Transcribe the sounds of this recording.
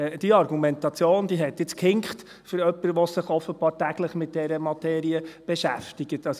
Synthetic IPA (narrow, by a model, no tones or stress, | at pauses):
d̥iəɑrɡumɛntɑt͡sjoːnd̪iɦɛt̪ɪt͡skhɪŋkχt | fʏɾœpːəɾʋɔsɪχɔfəb̥ɑːɾtæɡ̥ləχmɪt̚d̥ɛɾəmɑt̪ʰɛːɾiəb̥ɛʃæftɪɡ̥ətɑs